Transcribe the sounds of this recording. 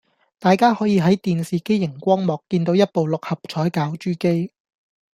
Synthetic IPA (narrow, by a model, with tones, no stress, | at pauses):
t̪aː˨jkaː˥hɔː˨˥jiː˨˧ɦɐ˨˥jt̪iː˨nsiː˨ke˥jjɪ˨˩ŋkʷɔː˥ŋmɔː˨kːiː˧nt̪o˨˥wjɐ˥t̚po˨wlʊ˨k̚hɐ˨p̚t͡ʃʰɔː˨˥jkaː˨˥wt͡ʃyː˥ke˥j